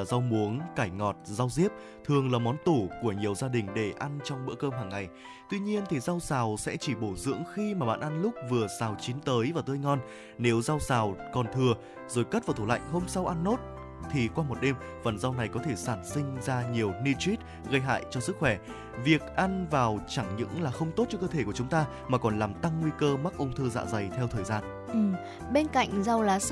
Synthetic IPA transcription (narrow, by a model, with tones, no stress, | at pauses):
a˨˩za˧wmu˨˦əŋkaː˧˩jŋɔ˨˩t̚za˧wzi˦˥əp̚ | t̪ʰɨ˨˩əŋlaː˨˩mɔ˨˦nt̪u˧˩ku˧˩əɲi˨˩əwzaː˧ɗï˨˩ŋ̟ɗe˧˩ʔa˧nt͡ɕɔ˧wŋ͡mɓɨ̰˧˥əkəː˧mɦaː˨˩ŋːa˨˩j | t̪wi˧ɲi˧ənt̪ʰi˨˩za˧wsaː˨˩wsɛ̰˧˥t͡ɕi˧˩ɓo˧˩zɨ̰˧˥əŋxi˧maː˨˩ɓa̰ː˧˨nʔa˧nlʊ˦˥k͡p̚vɨ˨˩əsaː˨˩wt͡ɕi˨˦nt̪əː˨˦jvaː˨˩wt̪əː˧jŋɔ˧n | ne˨˦wza˧wsaː˨˩wkɔ˨˩nt̪ʰɨ˨˩ə | zo˨˩jkə˦˥t̚vaː˨˩t̪ʰu˧˩la̰˧˨jŋ̟ɦo˧msa˧wʔa˧nːo˦˥t̚ | t̪ʰi˨˩kwaː˧mo˨˩t̚ɗe˧m | və̰˨˩nza˧wna˨˩jkɔ˨˦t̪ʰe˧˩saː˧˩nsï˧ŋ̟zaː˧ɲi˨˩əwni˧t͡ɕwi˦˥t̚ | ɣə˧jɦa̰ː˧˨jt͡ɕɔ˧sɨ˦˥k̚xwɛ˧˩ | vi˨˩ək̚ʔa˧nvaː˨˩wt͡ɕa˧˩ŋɲɨ̰˧˥ŋlaː˨˩xə˧wŋ͡mt̪o˦˥t̚t͡ɕɔ˧kə˧t̪ʰe˧˩ku˧˩ət͡ɕʊ˨˦ŋ͡mt̪aː˧ | maː˨˩kɔ˨˩nlaː˨˩mt̪a˧ŋːwi˧kəː˧ma˦˥k̚ʔə˧wŋ͡mt̪ʰɨː˧za̰ː˧˥za˨˩jt̪ʰɛ˧wt̪ʰəː˨˩jzaː˧n | ʔɨ˨˩m | ɓe˧nka̰˧˨jŋ̟za˧wlaː˨˦